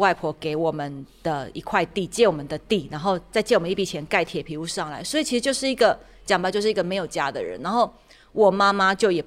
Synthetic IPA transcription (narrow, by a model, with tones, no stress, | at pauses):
wa˥˧ɪpʰwɔ˧˥ke˧˥ɪwɔ˨˩mə˨˦nd̪̥ə˨i˧˥kʰwa˥˧ɪt̪i˥˨t͡ɕjɛ˥˩wɔ˨˩mə˨nd̪ə˨t̪i˥˩na˧˥nxo˥˧ʊt͡sa˥˧ɪt͡ɕɛ˥˩wɔ˨˩ə˦i˥˩pi˨˩t͡ɕʰjɛ˧˦nka˥˩ɪt̪ʰjɛ˨˩pʰi˧˥u˧˥˦ʂɑ˥˩ŋla̰˧˦ɪswɔ˧˥i˨˩t͡ɕʰi˧˥ʂɻ̩˧˥t͡ɕjo˥˧ʊʂɻ̩˥˩i˧˥ɡə˨ | t͡ɕjŋba˨˧˦t͡ɕjo˥˧ʂɻ̩˥˩˧i˧ɡə˨me˧˥ɪjo˨˩ʊt͡ɕja˥d̪ə̰˨ɻə̰˦na˧˥nxo˥˩ʊ | wɔ˨˩ma˦ma˦t͡ɕjo˥˩ʊjɛ˨˩